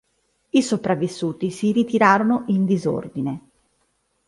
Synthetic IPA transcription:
isopɾavːisːuːt̪isiɾit̪iɾaːɾonoʔind̪izo̰rd̪ine

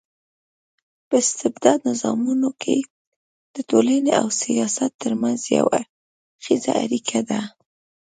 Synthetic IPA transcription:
pəɪst̪ɪbd̪ɑd̪̚nɪzɑmunokʰe | d̪̥ətolaneawsijɑsat̪ːəɾmanzja̰wa | xizaaɾikʰad̪a

